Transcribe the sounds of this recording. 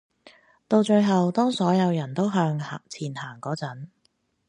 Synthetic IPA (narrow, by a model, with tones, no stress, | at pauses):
t̪o˧wt͡ʃɵ˧ɥɦɐ˨wt̪ɔː˥ŋsɔː˨˥jɐ˨˧wjɐ˨˩nt̪o˥wɦœː˧ŋ˨t͡sʰiː˨˩nhaː˨˩ŋkɔː˨˥t͡sɐ˨˥n